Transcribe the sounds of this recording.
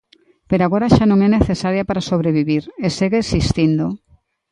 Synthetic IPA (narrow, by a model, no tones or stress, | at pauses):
peɾoaɣoɾaʃanõŋɛneθesaɾjapaɾasoβɾeβiβiɾeseɣeːsist̪ind̪o